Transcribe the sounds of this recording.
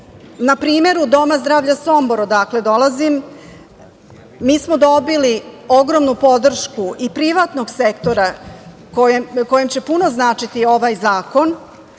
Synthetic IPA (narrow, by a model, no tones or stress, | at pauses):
napɾiːme̞ɾud̪o̞mazd̪ɾaːʋʎaso̞mbo̞ɾod̪aːkle̞d̪o̞lˠazim | miːsmo̞d̪o̞bilio̞ɡɾo̞mnupo̞d̪r̩ʃkuʔipɾiʋaːt̪no̞ɡsekt̪o̞ɾa | kojko̞jemt͡ɕe̞puno̞znaːt͡ʂit̪io̞ʋajzaːko̞n